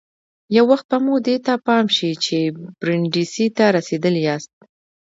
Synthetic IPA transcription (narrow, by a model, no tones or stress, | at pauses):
jawːaxt̪̚bamud̪et̪apɑmʃit͡ʃeb̥ɾɪɳɖisit̪aɾased̪əljɑst̪̚